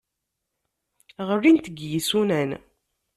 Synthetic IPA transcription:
ʁərːint̪əɡjisunæn

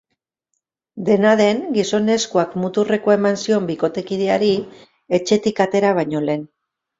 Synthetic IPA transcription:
d̪e̞naðe̞ŋɡiso̞ne̞skuakmut̪ure̞ko̞emansio̞mbiko̞t̪e̞kiðeaɾi | e̞t͡ʃe̞t̪ikat̪e̞ɾaβ̞ajɲo̞le̞ːn

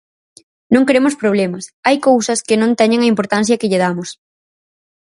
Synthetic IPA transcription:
nõŋkɾemʊspɾoβ̞lemɐsajkowsɐskɪnõnt̪ɛɲẽŋɐimpoɾt̪an̟θjɐkɪʎɪð̞amʊs

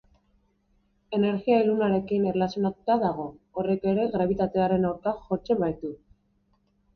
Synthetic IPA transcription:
e̞ne̞ɾɣiailunaɾe̞kineɾlasjo̞nat̪u̥t̪aðaɣ̞o̞ːre̞ke̞ɾe̞ɣɾaβ̞it̪at̪e̞aɾe̞nawɾkaxo̞t͡se̞mbajt̪u

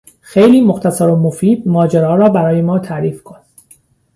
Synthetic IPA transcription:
xejliːmoxt̪æsæɾomofiːd̪̚mɒːd͡ʒeɾɒːɾɒːbæɾɒːje̞mɒːt̪ʰæʔɾiːfkʰon

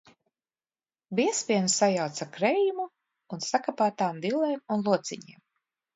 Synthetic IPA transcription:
biɛspʲiɛnsajawt̪sakɾɛjumuː | nsakapaːt̪aːmd̪ilˠɛjmunlˠuɔt̪siɲiɛm

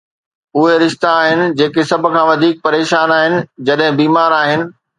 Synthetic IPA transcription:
ʊɦeɾɪʃt̪aːɦɪnɪ̆d͡ʑeːkesɐbʱʊ̆kʰãːʋɐd̪ʱiːk̚pɐɾeːʃaːnaːɦɪnɪ̆d͡ʑɐɗɦɪ̃biːmaːɾaːɦɪnɪ̆

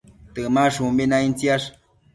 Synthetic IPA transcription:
t̪ɨmaʂumbinaint͡siaʂ

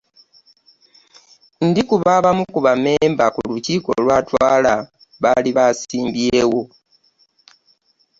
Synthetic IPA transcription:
ndikuβaβamukuβame̞ːmbakuluciːko̞̰lwaːtwaːla | βaliβaːsiːmbjeːwo̞

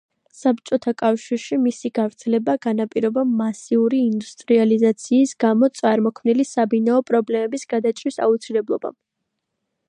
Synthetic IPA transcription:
sap̚t͡ʃʼɔt̪ʰakʼafʃiɾʃimisiɡavɾt̪sʰɛlɛbaɡ̥anapʼiɾɔbamːasiuɾiːnd̪ust̪ʼɾializat̪sʰiːsɡamɔt̪sʼaɾmɔkʰmnilisabinaɔpʼɾɔblɛmɛbisɡ̥ad̪at͡ʃʼɾisa̰ut̪sʰilɛblˠɔba̰m

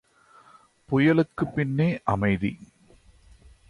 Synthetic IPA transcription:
pɔjɐlɯkːɯpːɪnːeːʔɐmɐɪðḭ

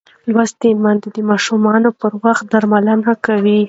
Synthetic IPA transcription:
lwast̪emand̪ed̪əmɑʃumɑnopəɾwaxt̪̚d̪aɾmalanakawi

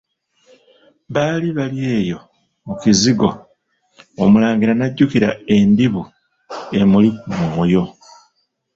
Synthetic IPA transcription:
βaːliβalije̞ːjo̞ | uciziɡo̞̰ | omulaːŋɡiɾanaɟːukiɾa̰e̞ndiβu | e̞mulikumujo̞

